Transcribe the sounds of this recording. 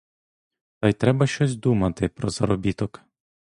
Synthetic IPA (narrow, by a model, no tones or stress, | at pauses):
t̪ɐjt̪ɾɛbɐʃt͡ʃɔsʲd̪umɐt̪ɪpɾɔz̥ɐɾɔbʲit̪ɔk